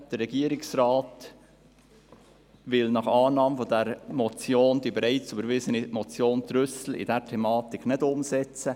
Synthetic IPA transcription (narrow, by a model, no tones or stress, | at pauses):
d̥əɾːɛɡ̥iːɾɪksrɑːt | ʋɪlnɑχɑːnɑːməfodɛɾmɔt͡sjoːnd̥̪ibɛɾɛɪt͡sybəɾvɪsənimɔt͡sjoːnt̪ɾʏsl̩ḭd̥ɛɾtʰɛmɑːtɪkʰnɪdʊmsɛt͡sə